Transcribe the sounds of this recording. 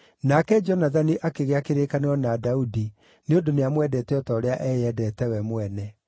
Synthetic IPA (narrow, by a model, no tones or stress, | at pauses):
nakɛd͡ʒɔnaðaniʔakeɣeakeɾekaneɾɔnadaudi | neondoneamwɛdɛtɛɔtɔːɾeaʔɛjɛdɛtɛwɛmwɛnɛ